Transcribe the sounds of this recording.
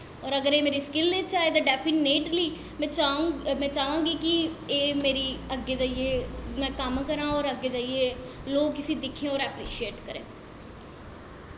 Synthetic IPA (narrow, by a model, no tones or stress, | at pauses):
ɔːɾəɡəɾeːmeːɾiːskɪleːt͡ʃaːeːt̪aːɖɛːpʰineːʈliː | mɛ̃ːt͡ʃamɛ̃ːt͡ʃaːʋãːɡiːkieːmeːɾiːəɡːeːd͡ʒaːieːmɛ̃ːkəmkəɾãːɔːɾəɡeːd͡ʒaːieː | loːɡkːɪsiːd̪ɪkʰːẽɔːɾɛːpɾiːʃieːʈkəɾḛ̃ː